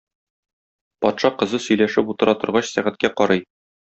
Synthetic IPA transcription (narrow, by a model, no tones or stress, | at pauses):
pɒt̪ʃɑqɤ̆zɤsɵ̆jlæʃɘput̪ɤ̆ɾʔɑt̪ŏɾʁɑɕsæʁɘ̆t̪̚kæqɒɾɤj